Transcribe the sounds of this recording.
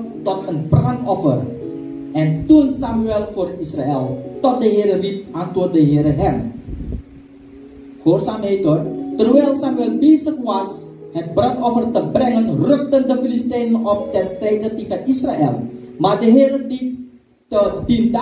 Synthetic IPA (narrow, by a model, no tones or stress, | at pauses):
tɔt̪ənbrantɔfə̰r | ʔɛnt̪unsamyɛlˠforisraɛlˠtɔt̪̚dəɦeːɾərip̚ʔantordəɦeːɾəɦɛn | forsamejtɔrt̪ərwɛlsamyɛlbeːsəkwas | hət̪̚brantɔfərt̪əbrɛŋənrøk̚təndəfilist̪ɛjnəʔɔp̚t̪ɛnst̪rejdət̪ekənʔisraʔɛlˠmardəɦeːɾədi | ədida